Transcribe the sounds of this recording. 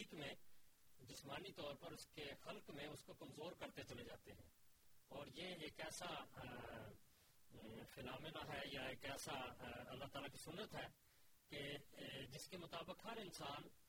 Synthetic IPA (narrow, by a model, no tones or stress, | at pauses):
iːkmẽd͡ʒɪsmaːnit̪ɔːɾpɐɾʊskexɐlkmẽʊskokəmzoːɾkɐɾt̪et͡ʃɐled͡ʒaːt̪eɦɛ̰̃ːɔːɾjeeːkɛːsa | fɪlaːmɪnaɦɛːjaeːkɛːsaɐlːaɦt̪aːlakisʊnːət̪ɦɛː | ked͡ʒɪskemʊt̪aːbɪkɦɐɾɪnsaːn